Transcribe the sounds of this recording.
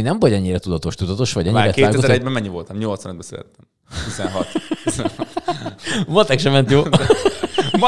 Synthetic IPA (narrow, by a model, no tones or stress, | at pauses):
inɛɱvoɟɛɲːiɾɛt̪ud̪ɒt̪o̞ʃt̪ud̪ɒt̪o̞ʃʋɒɟɛɲmːiːɾɛtkeːaːɡ̪ɛozɛɾɾɛɟbɛmːɛɲːivolt̪ɒmɲo̞lt̪sʋɒnəd̪bɛsylɛ̰t̪ːɛm | t̪izɛnɦɒt̪t̪iz | mot̪ɛkʃɛmɛnt̪joː